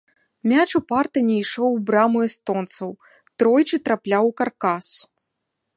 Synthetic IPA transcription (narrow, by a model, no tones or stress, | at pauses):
mʲat͡ʂupart̪ɐnʲɛiʂɔwbɾamuɛst̪ɔnt̪sɐw | t̪ɾɔjt͡ʂɨt̪ɾaplʲawkarkas